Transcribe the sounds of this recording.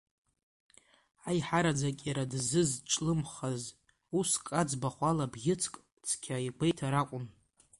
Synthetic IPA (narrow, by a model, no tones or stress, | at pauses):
ajħaɾad͡zakʲʼaɾadzɨzʈ͡ʂʼlɨmχaz | uskʼad͡zbaχʷalabɡʲɪt͡sʰkʼ | t͡sʰkʲʰaiɡʷejtʰaɾakʷʼʊn